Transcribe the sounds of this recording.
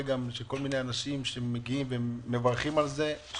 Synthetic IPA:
ɡamʃeko̞lmine̞janaʃimʃeemeɡiimveːe̞vaʁχimalze̞

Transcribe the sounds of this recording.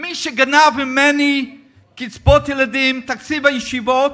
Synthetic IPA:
miʃeɡanavimeni | kit͡sbot̪jelad̪imt̪akt͡sivajeʃivot

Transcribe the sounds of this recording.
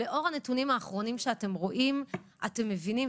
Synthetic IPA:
eʔo̞ʁane̞tunimaːχʁo̞nimʃeate̞mʁo̞ʔimʔa̰te̞mːevinim

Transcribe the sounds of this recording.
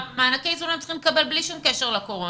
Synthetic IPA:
meanakejzulamt͡si̥χimlekabe̞lbliʃumkeʃeʁlakoʁo

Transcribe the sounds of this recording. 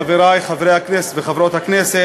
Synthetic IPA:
aviɾajχavɾejhaknɛsveχavɾot̪haknɛse

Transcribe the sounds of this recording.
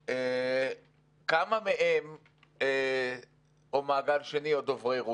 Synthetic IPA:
e | kamameʔem | e | omaːɡalʃeniod̪ovʁeʁu

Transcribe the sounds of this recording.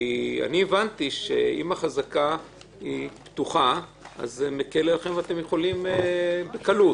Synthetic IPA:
ia̰nievant̪iʃḛḭmaχazaka | ipt̪uχaa̰zmekelelaχemveat̪emjeχo̞limebekalu

